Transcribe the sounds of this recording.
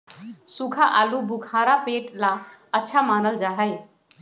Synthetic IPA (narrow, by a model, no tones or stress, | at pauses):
sukʰaʔaːlubukʰaːɾapeʈlaətːʃʰamaːnəld͡ʒaːɦəj